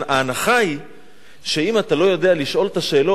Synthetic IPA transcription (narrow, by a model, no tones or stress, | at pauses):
aːnaχai | ʃe̞imat̪alo̞jo̞d̪e̞aliʃʔo̞lt̪aʃe̞ːlo̞